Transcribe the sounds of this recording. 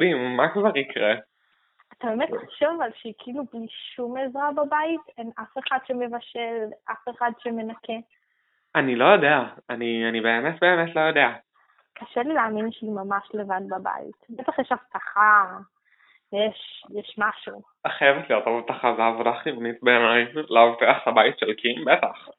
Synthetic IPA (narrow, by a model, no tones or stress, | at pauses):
dimːakvaʁikʁe | atabeːmetlaʃovvalʃeikʰiilubliʃumezʁababaitenafe̞χadʃeme̞vaʃelʔa̰feχadʃeme̞nake | anilo̞jo̞deaanianibe̞ːmetbe̞ːmetlo̞jo̞dea | kʰaʃelilaaːminʃeimamaʃle̞vad̚baba̰ḭtbet̪aχjɛʃaftaχa | jeʃjɛʃmaʃu | χajevetlijot̪ovt̪aχazavodaχlivnitbeamajmlaoteaχhabaitʃelkʰimbetaχ